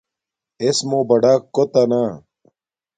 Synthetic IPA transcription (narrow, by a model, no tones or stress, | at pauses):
esmoːbɐɖaːkːot̪anaː